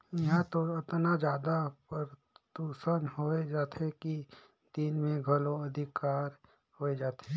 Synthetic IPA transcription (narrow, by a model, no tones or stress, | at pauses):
jɐɦãt̪oɪt̪nad͡ʒjaːd̪apəɾ | t̪uːsənɦoːed͡ʒaːt̪ʰeki | d̪̥iːnmẽɡʱɐloɐd̪ʱɪkaːɾ | hoːed͡ʒaːt̪e